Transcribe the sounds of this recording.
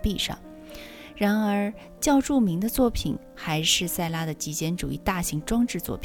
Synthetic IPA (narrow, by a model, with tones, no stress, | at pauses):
pi˥˧ʂɑ̰˥˩ŋ | ɻa˧˥nə˞˧˥ | t͡ɕjɑ˥˧ʊʈ͡ʂu˥˩mi˧˥ŋd̪ə˧t͡swɔ˥˩pʰḭ˨˩˦n | xa˧˥ɪʂɻ̩˥˧sa˥˩ɪla˥d̪ə˨t͡ɕi˧˥t͡ɕjɛ˥nʈ͡ʂu˨˩ḭ˥˧t̪a˥˩ɕi˧˥ŋʈ͡ʂwɑ˥ŋʈ͡ʂɻ̩˥˧t͡swɔ̰˥˩pʰ